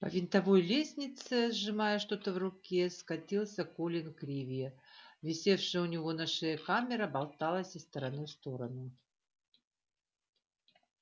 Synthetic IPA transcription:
pə̰vʲɪnt̪ɐvojlʲesʲnʲɪt̪sɨzʐɨmajəʂt̪o̞t̪əvrʊkʲeskɐt̪ʲilˠsʲəkulʲɪnkɾʲivʲɪjəvʲɪsʲe̞fʂɨjəʊnʲɪvo̞naʂɛjəkamʲɪɾəbɐlˠt̪alˠəsʲəst̪əɾɐnust̪o̞ɾənʊ

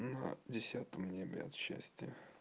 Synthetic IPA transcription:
nə̰dʲɪsʲat̪əmnʲebʲɪ̰ɐ̰t̪ɕːæ̰sʲtʲɪjə

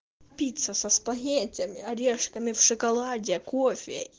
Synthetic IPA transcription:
pʲit̪sɐsɐspɐɦʲetʲɐmʲɪɐɾʲeʂkɐmʲɪwʂɨkɐlˠadʲɪkofʲɪ

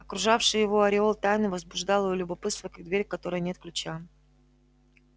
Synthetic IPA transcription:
ɐkɾʊʐafʂɨjjɪvo̞ɐɾʲɪo̞lˠt̪ajnɨvəzbʊʐd̪ɑlˠɨvolʲʊbɐpɨt̪st̪vəkɐɡ̚d̪vʲeɾʲkɐt̪o̞ɾɨjənʲe̞t̪̚klʲʉt͡ɕa

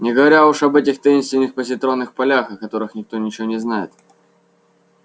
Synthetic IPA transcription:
nʲɪɡəvɐɾʲauʂɐbɛtʲɪxt̪ɐinst̪vʲɪnʲːɪxpəsʲɪt̪ɾo̞nːɨxpɐlʲaxɐkɐt̪o̞ɾɨxnʲɪk̚t̪o̞nʲɪt͡ɕɪvonʲɪznajɪt̪

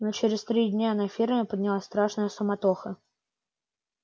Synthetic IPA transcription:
not͡ɕeɾʲɪst̪ɾʲidʲnʲaɐnafʲirmʲɪpəd̪ʲnʲɪlˠasʲt̪ɾaʂnɨjəsʊmɐt̪oxə

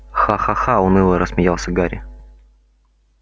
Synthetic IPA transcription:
xaxaxaʊnɨlˠəɾəsmʲɪjalˠsʲəɡaɾʲɪ̰

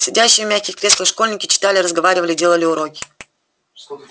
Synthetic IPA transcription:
sʲɪdʲæɕːɪjəmʲaxʲkʲɪxʲkɾʲesˠəʂko̞lʲnʲɪkʲɪ̥t͡ɕɪ̥t̪alʲɪrəzɡɐvaɾʲɪvəlʲɪdʲelˠəlʲɪʊɾokʲɪ̥

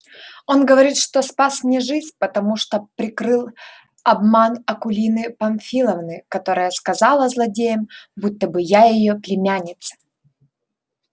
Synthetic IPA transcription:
o̞nɡəvɐɾʲit̪ʂt̪ospasmnʲɪʐɨzʲpət̪ɐmuʂt̪opɾʲɪkɾɨlˠ | ɐbmanɐkʊlʲinɨpɐmʲfʲilˠəvnɨkɐt̪o̞ɾəjəskɐzɑlˠəzlˠɐdʲejəmbut̪ːəbɨjajɪjoplʲɪmʲanʲɪt̪sɐ̥

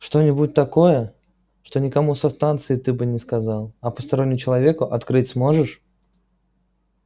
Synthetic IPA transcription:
ʂt̪onʲɪbut̚ʲt̪ːɐko̞jə | ʂt̪o̞nʲɪkɐmusɐst̪ant̪sɨɪt̪ɨbɨnʲɪskɐzalˠɐpəst̪ɐɾo̞nʲːɪmʊt͡ɕɪlˠɐvʲe̞kʊʔɐt̪kɾɨtʲsmo̞ʐɨʂ

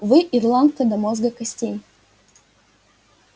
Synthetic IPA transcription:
vɨʔirlˠant̪̚kəd̪ɐmozɡəkɐsʲtʲenʲ

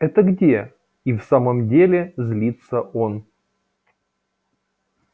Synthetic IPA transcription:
ɛt̪əɡdʲe̞ | ifsaməmdʲelʲɪzʲlʲit̪səʔo̞n

